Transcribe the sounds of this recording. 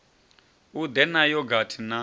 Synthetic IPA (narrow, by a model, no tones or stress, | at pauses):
ud̪ɛnajɔɡʱatʰina